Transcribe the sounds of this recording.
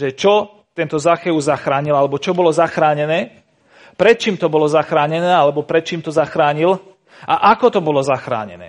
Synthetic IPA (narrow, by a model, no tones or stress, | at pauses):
ʒɛt͡ʃɔ | t̪ɛnt̪ɔzaxɛuzaxɾaːɲilalɛbɔt͡ʃɔbɔlɔzaxɾaːɲɛnɛː | pɾɛt̪̚t͡ʃiːmt̪ɔbɔlɔzaxɾaːɲɛnɛːalɛbɔpɾɛt̪̚t͡ʃiːmt̪ɔzaxɾaːɲil | ʔaʔakɔt̪ɔbɔlɔzaxɾa̰ːɲɛ̰nɛ̰ː